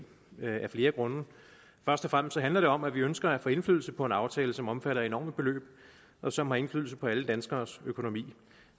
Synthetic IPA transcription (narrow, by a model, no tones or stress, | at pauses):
æɐfle̝ːɐɡ̥ʁɔ̽nə | fɶɐsd̥ɒfʁam̰sd̥sɒ̽ɦænlɐɾ̥e̝ɒ̽mæʋiønsɡ̥ɐæfɔ̽e̝nflyðˠl̩səpʰɒ̽e̝nɑ̈ʊt͡sʰɛːləsɒ̽mɒ̽mfæɾɐe̝nɒ̰ːməb̥e̝lø̰ːb̥̚ | ʔɒ̽sɒ̽mɦɑ̈e̝nflyðˠl̩səpʰɒ̽æləd̥ænsɡ̥ɐːsøkʰo̝no̝mḭː